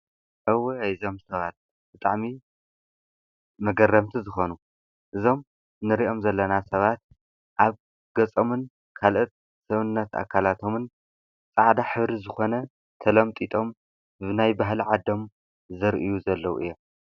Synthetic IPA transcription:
ʔɨwjzo̞msɐβat̪̚ | b̥ɨt̪ʼaʕmi | mɐɡɐrːɐmt̪ʰizɨxo̞nu | ʔɨzo̞m | nɨɾiʔo̞mzɐlːɐnasɐβat̪̚ | ʔaβ | ɡɐt͡sʼomɨn | kʰalʔot̪̚ | sɐβɨnːɐt̪a̰kʰːalat̪ʰo̞mɨn | t͡sʼaʕd̪aħɨβɾizɨxo̞nɐ | t̪ʰɐlɐmt̪ʼit̪ʼo̞m | bɨnajbaɦlʕad̪o̞m | zɨɾʔɨjuzɐlːɐwṵʔɨ̰jːo̞m

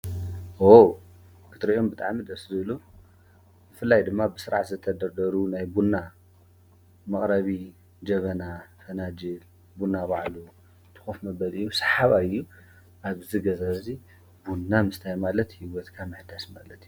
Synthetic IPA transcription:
o | kʰɨt̪ɾɐjombɨt̪ʼaʕmid̪ɐszɨβlu | bɨfɨlːajd̪ɨmːabɨsɨɾaʕt̪zɨt̪ʰɐd̪ɐɾd̪ɐɾunajbunːa | mɐkʼɾɐβi | d͡ʒɐβɐnafɐnad͡ʒil | bunːaβaʕlu | t̪ʰɨ̥xofmɐbɐlɨjːusɐ̥ħaβaɨjːu | ʔaβziɡɐzazi | bunːamɨst̪ʰajmalɐt̪hiwɔt̪kʰamɨħd̪asmalɐt̪ju

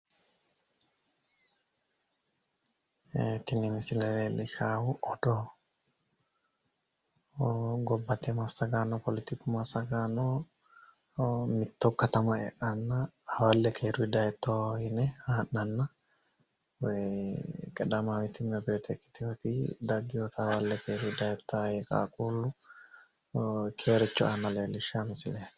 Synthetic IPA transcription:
t̪inimisileɾelikʰawuʔɔdɔ | ɡɔbat̪emasaɡanɔpolit̪ikumasaɡanɔ | mit̪ːokːat̪amaɛ̰ʔanːaɐwɐlːɛkʰeːɾʊɪd̪ɐjɛt̪ːohɪnɛhaːnːɐnːɐ | wɛ | kʼɛᶑɐmawɪt̪ːɪnmɛbɛjɔt̪ɛkːɪ̥t̪ɪjot̪ɪd̪ɐɡːɪjot̪ʰɐwɐlːɛkeːɾʊɪd̪ɐjɛt̪ːaːjekʼa̰ːkʼuːlːʊ | kʰeːɾɛt͡ʃːɔanːɐleːlːɪʃamɪsɪlɛ

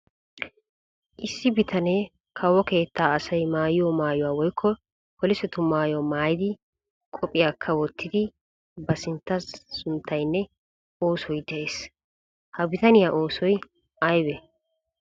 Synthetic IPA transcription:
ʔɪsːɪbɪt̪ʰɐne | kʰɐwɔke̞ːt̪ʰːaːɐsɐjmaːjɪjɔmaːjʊwaːwɔjkʰːɔ | kɔlɪsɛt̪ʊmaːjɔmaːjɪd̪ɪ | kʼɔpʼɪjakʰːɐwɔt̪ʰːɪd̪ɪ | bɐsɪnt̪ːɐsːʊnt̪ʰːɐjnːɛ | oːsɔjd̪ɛʔe̞ːs | hɐbɪt̪ɐnɪjaːʔoːsɔj | ʔɐjbɛ

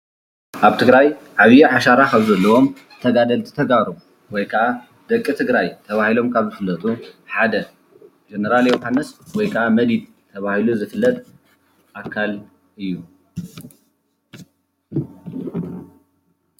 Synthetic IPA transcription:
ʔaβt̪ʰɨɡɾajʕaβjiʕaʃaɾakʰaβzɐlːɐwo̞m | t̪ʰɐɡad̪ɐlt̪ʰi̥t̪ʰɐɡaɾu | wɔjkʰɐʔa | d̪̥ɐkʼːit̪ʰɨɡɾajt̪ʰɐβahilo̞mkʰaβzɨfɨlːɐt̪ʼuħad̪ɐ | d͡ʒenɐɾaljewhanːɨswɔjkʰɐʔamɐd̪id̪̚ | t̪ʰɐβahiluzɨfɨlːɐt̪ʼ | ʔakʰːal | ʔɨjːu

